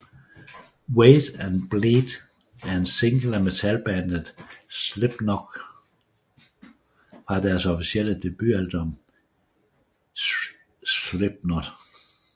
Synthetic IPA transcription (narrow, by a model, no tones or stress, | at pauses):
weːd̥ænb̥leːd̥ | æɐe̝nse̝ŋɡ̥l̩æmet͡sʰælb̥ænəð̩ˠsleb̥nɔɡ̥ | fʁɑ̈d̥æɐsɒfisiel̰əd̥e̝b̥yæld̥ɔm | sle̝b̥̚nɔd̥